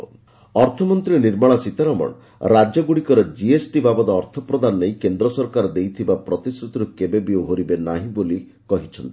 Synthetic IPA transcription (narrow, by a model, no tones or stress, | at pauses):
ɔɾt̪ʰɔmɔnt̪ɾiniɾmaɭ̃ɔsit̪aɾɔmɔ̰ɳ | ɾad͡ʒɔɡuɽikɔɾed͡ʒiesʈibabɔd̪ɔːɾt̪ʰɔpɾɔd̪anɔnejkend̪ɾɔsɔɾkaɾɔd̪ejt̪ʰibapɾɔt̪isɾut̪iɾukebebioɦoɾibenaɦĩboli | kɔɦit͡ʃʰɔnt̪i